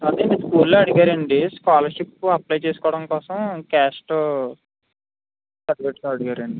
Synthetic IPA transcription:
ɐd̪eniskuːlːoːɐɽuɡaːɾɐɳɖiskaːlɐɾʂipːuɐplɐjt͡ʃe̞ːsu̥kɔːɐɽɐmkɔːsɐmkaːsʈo | sɐɾʋeʈsoɐɽuɡaːɾɐɳɖi

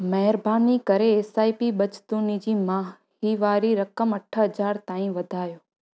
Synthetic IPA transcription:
məɦɾbʱanikəɾeesaːipiɓət͡ʃt̪ũnid͡ʒimãɦ | ɦiʋaːɾiɾəkəməʈʰəɦəd͡ʒaːɾt̪ãːĩʋəd̪ʱaːjoː

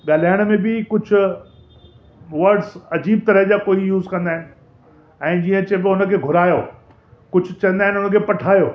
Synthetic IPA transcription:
ɠaːl̤aːɪɽ̃mẽbɪkʊd͡ʑʱʊ | ʋɐɾɖzɐd͡ʑiːb̚t̪ɐɾəɦd͡ʑakoːijuːzkɐ̃nd̪aːɦɪnɪ̆ | ɛ̃ːd͡ʑiːə̃t͡ɕɐbɪʊnə̆kʰeːɡʱʊɾaːjoː | kʊd͡ʑʱʊt͡ɕɐ̃nd̪aːɦɪ̃nɪʊnəkʰeːpɐʈʰaːjoː

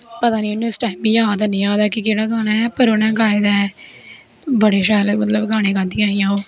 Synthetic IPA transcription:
pət̪aːniːnũɪsʈaːɪimbiːjaːd̪aːnɪaːd̪ɛːkɪkeːɽaːɡaːñaːɛːpəɾonãːɡaːed̪aːɛː | bəɽeːʃɛːlmət̪ləbɡʱaːɽ̃eːɡãːnd̪ĩãːijãːoː

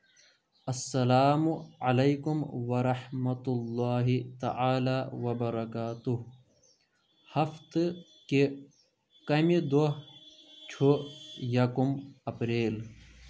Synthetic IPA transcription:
ɐsːɐlaːmuɐlɐjkumwɐɾɐħmɐt̪ulːaːɦit̪a̰ʔaːlaːwɐbɐɾɐkaːt̪uɦ | hɐft̪ | ke | kɐmid̪oɦt͡ʃʰojɐkumɐpɾeːl

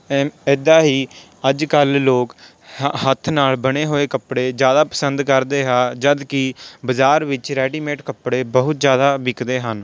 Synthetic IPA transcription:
ɪd̪aːɦiː | əd͡ʒkəlːoːk | ɦət̪ʰnaːlbəɽeːɦoːeːkəpɽeːd͡ʒjaːd̪aːpəsənd̪kəɾd̪eːɦaːd͡ʒəd̪kɪbəzaːɾʋɪt͡ʃɾɛːɖiːmeːʈkəpɽeːbəɦʊt̪d͡ʒjaːd̪aːbɪkd̪eːɦən

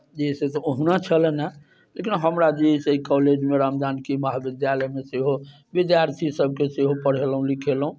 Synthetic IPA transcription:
d͡ʒeiset̪ɔoɦunat͡ʃʰəlɛna | lekinɦəmɾad͡ʒeɦiseikɔled͡ʒmeɾamd̪ankemaɦabid̪jaləjmeseɦo | bid̪jaɾt̪ʰisəb̚ʱkeseɦopəɽ̤elɦũlikʰelɦũ

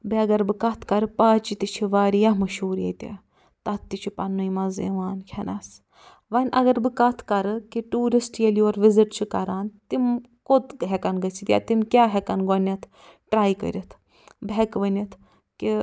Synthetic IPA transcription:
bɐɐɡɐɾbɨkɐt̪ʰkɐɾɨpaːt͡ʃit̪it͡ʃʰiʋaːɾijamɐʃuːɾjḛt̪ʲḛ | t̪ɐt̪t̪ːit͡ʃʰipɐnːujmɐzḭʋaːnkʲʰɐnɐs | ʋɐnʲʔɐ̰ɡɐɾbɨkɐt̪ʰkɐɾɨkiʈuːɾisʈjelioːɾʋiziʈt͡ʃʰikɐɾaːnt̪im | kot̪ɦɛkɐnɡɐt͡sʰit̪ja̰t̪imkʲaːɦekɐnɡonʲɐt̪ʰ | ʈɾaːjkə̰ɾʲit̪ʰ | bekʋɐnɐt̪ʰ | ki

